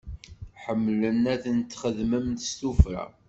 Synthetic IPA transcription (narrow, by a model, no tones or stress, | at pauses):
ħəmːlənæθənt̪ːχəðməmt̪ə̥st̪ufɾæ̰